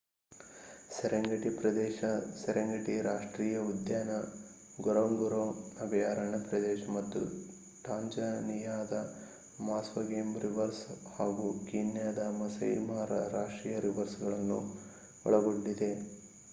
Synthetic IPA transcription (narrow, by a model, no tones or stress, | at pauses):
sɛɾɐŋɡɐʈipɾɐd̪ɛːʃɐsɛɾɐŋɡɐʈiɾaːʂʈɾiːjɐud̪jaːnɐ | ɡɔɾɐʋŋɡuɾoːɐbɐjaːɾɐɳɐpɾɐd̪ɛːʃɐmɐt̪ːṵ | ʈaːɲd͡ʒɐnijaːd̪ɐ | maːsʋɐɡeːmbɾiʋɐɾshaːɡukiːnjaːd̪ɐmɐsɐ̰jmaːɾɐ̰ɾaːʂʈɾiːjɐɾiʋɐɾsɡɐɭɐnːu | ɔ̰ɭɐɡoɳɖid̪e